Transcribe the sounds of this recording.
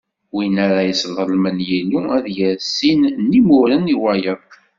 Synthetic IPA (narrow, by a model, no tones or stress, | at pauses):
winæɾajəsəlʁəlmənjiluæðjæɾsːinnimʊɾəniwæjəðˤ